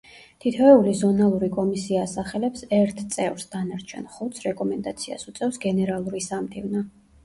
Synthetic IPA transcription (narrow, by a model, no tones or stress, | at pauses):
t̪ʰit̪ʰɛɛulizɔnalˠuɾikʼɔmisiaːsaχɛlɛpsɛɾt̪ʰt̪sʼɛvɾsd̪anaɾt͡ʃʰɛ̰nχut̪sʰɾɛkʼɔmɛnd̪at̪sʰia̰sut̪sʼɛfsɡɛnɛɾalˠuɾisamd̪ʰivna